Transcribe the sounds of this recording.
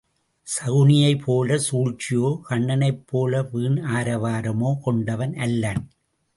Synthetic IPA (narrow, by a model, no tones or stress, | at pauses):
sɐɣɯnɪjɐɪpʰːoːlɐsuːɻt͡ʃɪjoːkɐɳːɐnɐɪpːoːlɐʋiːɳaːɾɐʋaːɾɐmoːkɔɳɖɐʋɐnʔɐlːɐːn